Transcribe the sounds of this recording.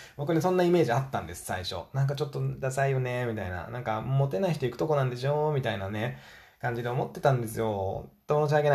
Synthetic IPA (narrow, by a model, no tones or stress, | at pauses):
bo̞k̬ɯ̟nes̬õ̞nːaime̞ːʑiat̪ːã̰nd̪e̞sɨ̥sa̰iɕo̞̰nãŋk̬at͡ɕo̞t̪ːo̞d̪asaijonemʲit̪aina̰nãŋkamo̞t̪e̞naiçit̪o̞ikɯ̟t̪o̞k̬o̞nãnd̪eɕio̞mʲit̪ainane̞ | kãɲ̟d͡ʑid̪e̞omo̞t̪ːe̞̥t̪ãnd̪e̞sɨjo̞t̪ːomonoɕ̬iaɡe̞na